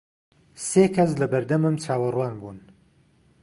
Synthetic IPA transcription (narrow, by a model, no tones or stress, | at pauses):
seːkʰɐs̬lɐbɐɾd̪ɐmɨmt͡ʃʰaːwɐrwaːnbuːn